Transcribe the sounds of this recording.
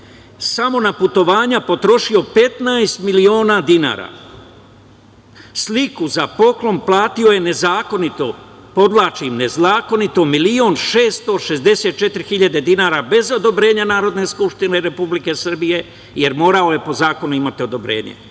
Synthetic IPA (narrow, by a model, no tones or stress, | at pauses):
samo̞naput̪o̞ʋaːɲapo̞t̪ɾo̞ʃio̞pe̞t̪najst̪milio̞ːnad̪ina̰ːɾa̰ | slikuzapo̞klo̞mplˠaːt̪io̞je̞ne̞zaːko̞nit̪o̞ | po̞d̪lˠaːt͡ʃimne̞zaːko̞nit̪o̞milio̞nʃe̞ːst̪o̞ʃe̞zd̪e̞se̞ːt̪̚t͡ʃe̞t̪ɾixiʎad̪e̞d̪inaːɾabe̞zo̞d̪o̞bɾe̞ːɲanaːɾo̞d̪ne̞skupʃt̪ine̞ɾe̞publike̞sr̩bije̞ | jeɾmo̞ːɾao̞je̞po̞zaːko̞nuimat̪io̞d̪o̞bɾe̞̰ːɲḛ